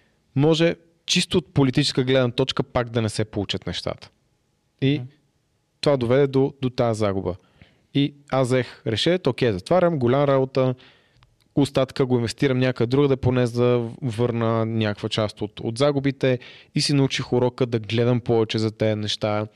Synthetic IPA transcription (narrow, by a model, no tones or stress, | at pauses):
mɔʒɛ | t͡ʃist̪oːt̪̚polit̪it͡ʃɛ̥skəɡlɛd̪nət̪ɔt͡ʃkəpakd̪ɐnɛsɛpolˠut͡ʃət̪nɛʃt̪a̰t̪ə̥ | i | t̪ovad̪ovɛd̪ɛd̪od̪ot̪aəzaɡʊbə̰ | iazzɛxɾɛʃɛt̪okɛjzɐt̪vaɾʲəmɡolʲamɾabot̪ə | ost̪at̪kəɡoinvɛst̪iɾəmnʲakoɛd̪ɾuɡəd̪ɛponɛzd̪ɐvɤɾnənʲakəkvət͡ʃast̪ot̪o̰t̪zaɡʊbit̪ɛisinɐut͡ʃixʊɾɔkəd̪ɐɡlɛd̪ɐmpɔvɛt͡ʃɛzɐt̪ɛnɛʃt̪a